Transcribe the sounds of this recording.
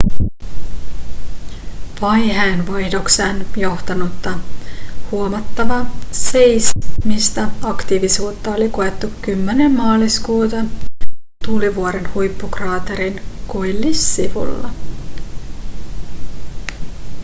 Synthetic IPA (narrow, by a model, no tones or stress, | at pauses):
pɑjɦæːnʋɑjdoksenjo̞ht̪ɑnut̪ːɑ | huomɑt̪ːɑʋɑse̞jsmist̪æɑkt̪iʋisuːt̪ːɑo̞likoe̞t̪ːukːymːenemːɑːliskuːt̪ɑ | t̪uːliʋuoɾe̞nhujpːukrɑːt̪eɾinkujlːisːiʋṵlːɑ̰